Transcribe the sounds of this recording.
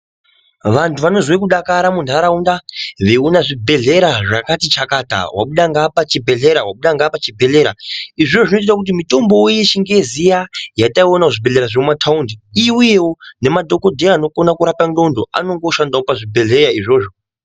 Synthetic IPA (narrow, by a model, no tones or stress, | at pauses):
ʋantʰuʋano̞zwekuɗakaɾamundʱaɾaundaʋeunaʐibʱe̞ɮe̞ɾaʐakatit͡ʃakata̰wʔa̰ɓuɗaŋɡapat͡ʃibʱe̞ɮe̞ɾawaɓuɗaŋɡapat͡ʃibʱe̞ɮe̞ɾa̰iʐʐoʐino̞it̬itak̬ut̬imito̞mbo̞jet͡ʃiŋɡe̞zijajataionauʐibʱe̞ɮe̞ɾaʐemumatʰaundiiwujewone̞madʱo̞ko̞dʱeaːno̞ko̞nakuɾapando̞ndoa̰no̞ŋɡo̞ʃandawopaʐibʱe̞ɮe̞jaiʐo̞ːʐo